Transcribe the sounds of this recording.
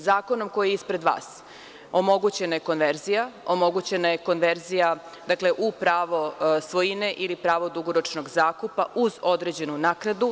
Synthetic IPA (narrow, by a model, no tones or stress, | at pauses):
zaːko̞no̞mko̞jijispɾe̞d̪ʋa̰ːs | o̞mo̞ɡut͡ɕe̞naje̞ko̞nʋeɾzijaomo̞ɡut͡ɕe̞naje̞ko̞nʋeɾzija | d̪akleʔupɾaːʋo̞sʋo̞jineʔilipɾaːʋo̞d̪uɡoɾot͡ʃno̞ɡzaːkupauzo̞d̪ɾe̞d͡ʑe̞nunaːknad̪u